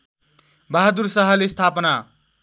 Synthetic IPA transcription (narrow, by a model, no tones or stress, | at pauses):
baɦad̪uɾsʌɦʌlest̪ʰapna